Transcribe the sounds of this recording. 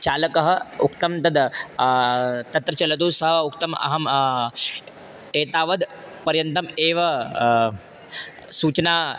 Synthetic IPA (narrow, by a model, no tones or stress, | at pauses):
t͡ʃaːlɐkɐɦəukt̪ɐmt̪ɐd̪ | t̪ɐt̪ɾɐt͡ʃɐlɐt̪̬uːsɐɦəukt̪ɐmɐ̰ɦɐm | eːt̪aːʋɐd̪pɐɾjɐnt̪ɐmeːʋɐ | suːt͡ʃna